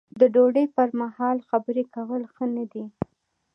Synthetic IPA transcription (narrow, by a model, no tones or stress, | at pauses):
d̪əɖoɖejpəɾmahɑlxabəɾekawəlxənad̪i